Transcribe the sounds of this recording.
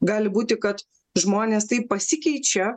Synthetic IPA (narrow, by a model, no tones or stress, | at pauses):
ɡɑːlʲɪbuːt̪ʲɪkɐt̪ | ʒmoːnʲeːst̪ɐɪppɐsʲɪkʲɛɪt͡ʃʲɛ